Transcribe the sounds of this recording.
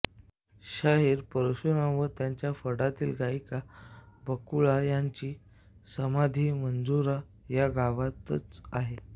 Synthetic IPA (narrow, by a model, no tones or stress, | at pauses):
ɕaɦiːɾpəɾəɕunaʋət̪jaɲt͡ɕjafəɽat̪iːlɡaikabəkuɭajaɲt͡ɕiː | səmad̪ʱiːmənd͡zuɾa | jaɡaʋat̪ət͡saɦe